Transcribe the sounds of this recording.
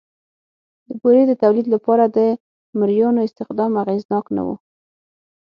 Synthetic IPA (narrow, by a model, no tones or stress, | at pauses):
d̪əboɾed̪ət̪awlid̪lapɑɾad̪ə | mɪɾjɑnoɪst̪ɪxd̪ɑmaɣeznɑkna̰wṵ